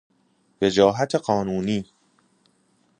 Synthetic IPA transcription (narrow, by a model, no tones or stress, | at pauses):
ved͡ʒɒːɦæt̪ʰeɢɒːnuːniː